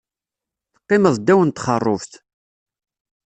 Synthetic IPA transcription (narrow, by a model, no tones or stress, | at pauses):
θə̥qːɪməðˤd̪ːæwənt̪χərˤːo̰fθ